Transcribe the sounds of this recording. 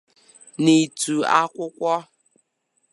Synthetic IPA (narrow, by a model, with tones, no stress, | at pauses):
ni˨tu˨a˦kʷʊ˦kʷɔ˦